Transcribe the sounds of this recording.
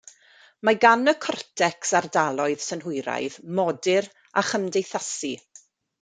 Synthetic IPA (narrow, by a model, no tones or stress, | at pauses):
maɡanəkʰɔrtʰɛksardalˠɔɨð̥sənɦʊjɾa̰jðmɔdɪɾ | aχəmdejθasi